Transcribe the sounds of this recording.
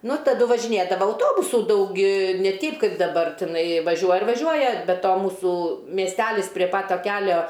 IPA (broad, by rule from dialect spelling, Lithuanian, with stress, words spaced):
nʊ tɐˈdʊ ʋɐʒʲɪˈnʲeːdɐʋɐ ɐʊˈtoːbʊsuː ˈdɐʊk ɪ nʲɛ ˈtʲɛɪp ˈkɐɪp dɐˈbɐr tʲɪˈnɐɪ ʋɐˈʒʲuɔjɛ ɪr ʋɐˈʒʲuɔjɛ bʲɛ ˈtoː ˈmuːsuː mʲiɛsʲˈtʲælʲɪs pʲrʲiɛ pɐt ˈtɐ ˈkʲæːlʲoː